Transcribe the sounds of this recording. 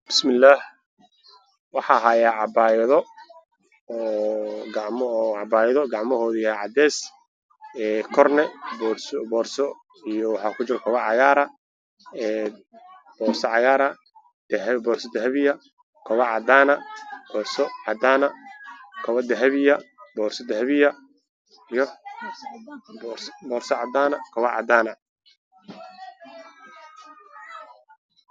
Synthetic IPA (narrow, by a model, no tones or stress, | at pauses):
b̥ɪ̥smɪlːaːh | wɑħɑɦaːjaːʕɑbaːjɛðɔ | ɔːɡɑʕmːʕɑbaːjðɔɡɑʕmɔɦɔːðʊʕɑ̰d̪ɛːs | ɛːkʰɔrnɛbɔsbɔːrsɔ | ijɔwɑħɑːkʰʊt͡ʃɪɾkʰɔβɐʕɑɣaːɾɐ | ɛː | b̥ɔːrsɔʕɑɣaːɾɐ | d̪̥ɛɦbɔːrsɔd̪ɛhɛβɪjɐ | kʰɐβɐʕɑd̪aːnɐb̥ɔːrsɔʕɑd̪aːnɐkʰɐβɐd̪ɛɦɛβɪjɐbɔːrsɔd̪ɛɦɛβɪjɐ | ijɔ | bbɔːrsɔʕɑd̪aːnɐkʰɐβɐʕɑ̰d̪aːnɐ